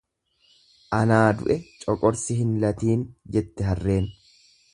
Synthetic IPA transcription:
ʔɐnaːd̪ʊ̰ʔɛt͡ʃʼɔkʼɔɾsɪɦɪnlɐt̪iːnd͡ʒɛt̪ːɛɦɐrːe̞ːn

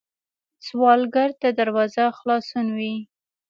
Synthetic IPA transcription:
swɑlɡaɾt̪ad̪aɾwɑzaxlɑsunwi

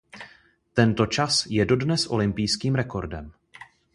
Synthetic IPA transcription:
t̪ɛnt̪o̞t͡ʃasjɛdo̞dnɛsʔo̞̰lɪmpijskiːmɾɛko̞ɾdɛm

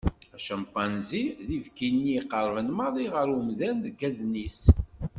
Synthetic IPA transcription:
æʃəmpːɑnziðivkinːiqːəɾˤvənməɾˤiʁəɾumðænðəɡæðnis

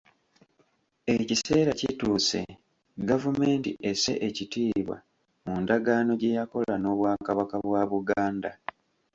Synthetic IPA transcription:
e̞cise̞ːɾacituːse̞̰ | ɡavume̞ːntḭʔese̞̰ʔecitiːβwa̰ | mundaɡaːno̞ɟe̞jako̞lano̞ːβwaːkaβakaβwaːβuɡaːnda

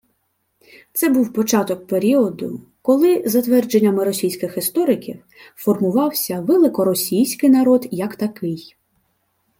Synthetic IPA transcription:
t̪sɛbuwpɔt͡ʃɑt̪ɔk̚peɾʲiɔd̪ʊ̰ | kɔlˠɪzɐt̪ʋɛrd͡ʒe̞nʲːɐmɪɾɔsʲijsʲkɪxɪst̪ɔɾɪkʲḭw | fɔrmʊʋɑwsʲɐʋelˠɪkɔɾɔsʲijsʲkɪjnɐɾɔd̪jɐkt̪ɐkɪj

